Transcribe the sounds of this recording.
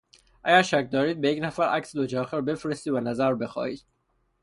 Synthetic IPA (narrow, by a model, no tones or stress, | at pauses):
ʔæɟæɾʃæcʰd̪ɒːɾiːd̪̚bejecʰnæfæɾæ̰ksd̪od͡ʒɒɒxæɾbe̞fɾest̪iːvænæzæɾbe̞xɒ̰ːiːd̪̥̚